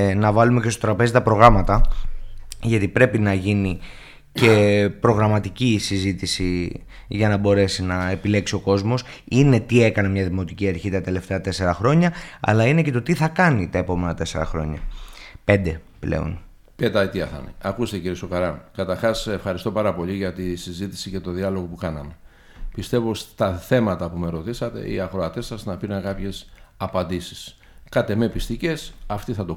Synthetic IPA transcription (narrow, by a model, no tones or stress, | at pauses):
nɐvɐlumecest̪ot̪ɾɐpe̞zit̪ɐpɾo̞ɣɾɐmɐt̪ɐ | ʝɐt̪ipɾe̞pinɐʝini | ce̞pɾo̞ɣɾɐmɐt̪icisizit̪isi | ʝɐnɐbo̞ɾe̞sinɐe̞pile̞ksio̞ko̞zmo̞sine̞t̪ie̞kɐnemɲɐðimo̞t̪iciɐɾçit̪ɐt̪e̞left̪eɐt̪e̞se̞ɾɐxɾo̞ɲɐɐ̰lɐinece̞t̪o̞t̪iθɐkɐnit̪ɐe̞po̞me̞nɐt̪e̞se̞ɾɐ̰xɾo̞̰ɲɐ̰pe̞nd̪e̞ | ple̞̰o̞̰n | pet̪ɐit̪iɐθɐ̰neɐkust̪eciɾiesokɐɾɐnkɐt̪ɐɾxɐsefxɐɾist̪o̞pɐɾɐpo̞ʎiʝɐt̪isizit̪i̥sice̞t̪o̞ðiɐlo̞ɣo̞pukɐnɐme̞ | pist̪e̞vost̪ɐθe̞mɐt̪ɐpumeɾo̞t̪isɐt̪e̞̰ḭɐxɾo̞ɐt̪e̞sɐznɐpiɾɐnkɐpçe̞sɐpɐnd̪isi̥s | kɐt̪e̞me̞pist̪ice̞sɐft̪iθɐt̪o